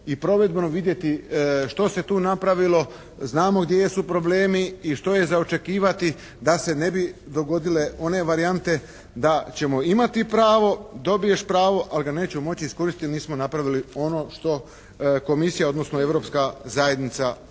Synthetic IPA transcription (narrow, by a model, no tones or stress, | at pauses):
ipɾo̞ʋe̞d̪bnoʋid̪je̞t̪iʃt̪o̞se̞t̪uːnapɾaʋilo̞ | znaːmo̞ɡd̪jeesupɾo̞ble̞ːmiːʃt̪o̞je̞zao̞t͡ʃe̞kiːʋat̪i | d̪ase̞ne̞bid̪o̞ɡo̞d̪ile̞o̞ne̞ʋaɾiant̪e̞ | d̪at͡ɕe̞moimat̪ipɾaːʋo̞d̪o̞bije̞ʃpɾaːʋo̞ʔaliɡane̞ːt͡ɕemo̞t͡ɕiisko̞ɾist̪t̪ilniːsmonapɾaʋilio̞no̞ːʃt̪o̞ | ko̞misijao̞d̪no̞snoe̞ʋɾo̞pskazaje̞d̪nit̪sa